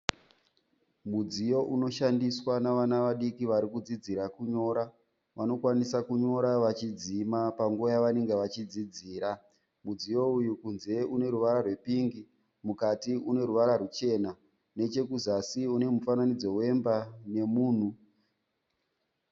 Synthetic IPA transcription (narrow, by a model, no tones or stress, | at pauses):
mud͡zijo̞ʔuno̞ʃandiswanaʋanaʋaɗikiʋaɾikud͡zid͡ziɾakuɲo̞ːɾa | ʋano̞kwanisakuɲo̞ɾaʋat͡ʃid͡zimapaŋɡuojaʋane̞ŋɡeʋat͡ʃid͡zid͡ziːɾa | mud͡zijo̞ujukunze̞une̞ɾuʋaɾarwe̞piŋɡi | mukatiune̞ɾuʋaɾarut͡ʃe̞ːna | ne̞t͡ʃe̞kuzasiune̞mufananid͡zo̞we̞mbane̞muːn̤u